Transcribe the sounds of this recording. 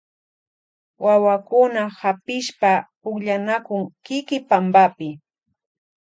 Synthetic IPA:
wawakʊnahapɪʃpa | ʊkʎanakʊŋkɪkɪpambapɪ

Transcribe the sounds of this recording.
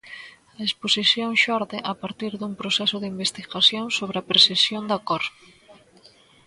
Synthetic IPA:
ɐesposiθjoŋʃɔɾðeʔapaɾt̪iɾðuŋpɾosɛsʊðɪimbest̪iɣaθjoŋsoβɾeɐpɾesesjond̪akɔɾ

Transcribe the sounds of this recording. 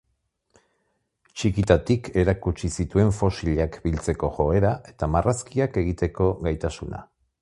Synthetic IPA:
t͡ʃikit̪at̪ikʰe̞ɾakut͡ʃisit̪ue̞ɱfo̞siʎakbilt͡se̞ko̞ʝo̞e̞ɾaʔe̞t̪amaraskiake̞ɣ̞it̪e̞ko̞ɣajt̪asuna̰

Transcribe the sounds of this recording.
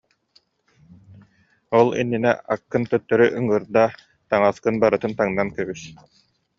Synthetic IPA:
ɔlˠḭnːinɛ̰akːɯnt̪œt̪ːœɾyʔɯŋɯɾd̪a | t̪aŋaskɯnbaɾɯt̪ɯnt̪aŋnankœβys

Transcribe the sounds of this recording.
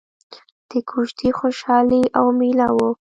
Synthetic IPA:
d̪̥əkʰuʃt̪ʰixoʃɑliʔawmilawo

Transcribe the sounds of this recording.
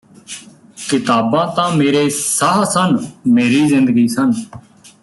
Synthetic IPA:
kɪt̪aːbãːt̪ãːmeːɾeːsaːsənmeːɾiːzɪ̃nd̪əɡiːsən

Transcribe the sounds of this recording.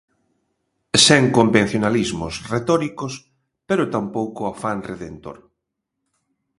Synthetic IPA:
sɛŋkombẽn̟θjonalizmʊsret̪ɔɾikos | peɾʊt̪ampowkʊafanreðent̪o̰ɾ

